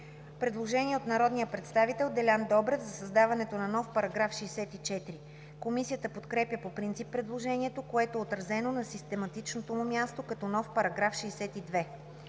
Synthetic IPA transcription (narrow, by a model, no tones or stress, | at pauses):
pɾɛd̪lˠoʒɛniɛot̪nɐɾɔd̪nijəpɾɛt̪st̪avit̪ɛlˠd̪ɛlʲand̪ɔbɾɛvzɐsɐzd̪avɐnɛt̪onɐnɔfpɐɾɐɡɾafʃɛːsɛt̪it͡ʃɛt̪iɾi | komisijət̪əpot̪kɾɛpjəpopɾint̪sipːɾɛd̪lˠoʒɛniɛt̪okoɛt̪oɛot̪ɾɐzɛnonɐsist̪ɛmɐt̪it͡ʃnot̪omumʲjast̪okɐt̪ɔnɔfpɐɾɐɡɾafʃɛːsɛt̪id̪vɛ